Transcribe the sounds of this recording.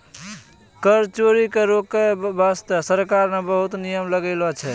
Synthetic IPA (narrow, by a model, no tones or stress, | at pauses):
kəɾt͡ʃoɾikeɾokːebast̪əsəɾkaɾmebəɦut̪nijəmləɡəɪlɔt͡ʃʰɛ